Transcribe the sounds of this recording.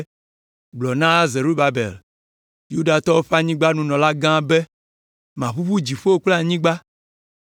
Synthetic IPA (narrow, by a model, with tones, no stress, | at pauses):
ɡ͡blɔ˨nã˦ze˨ɾu˦ba˨bḛ˨l | ju˦da˨t̪ɔ˦wo˦ɸa˦ɲĩ˦ɡ͡ba˦nũ˦nɔ̃˨la˦ɡã˦be˦ | mã˨ɸu˦ɸu˦d͡ʑi˨ɸo˦o˦k͡pla˦ɲĩ˦ɡ͡ba˦